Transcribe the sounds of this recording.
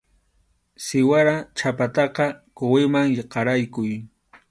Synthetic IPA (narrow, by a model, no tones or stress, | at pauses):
sɪwaɾat͡ʃapat̪ɑqɑkʊwɪmaŋjeqɑɾajkʊj